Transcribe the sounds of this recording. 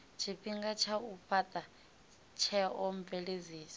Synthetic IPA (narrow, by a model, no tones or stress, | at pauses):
t͡ʃʰiɸiŋɡat͡ʃʰauɸʰatʼa | t͡ʃʰɛɔm̩vɛleziːsḁ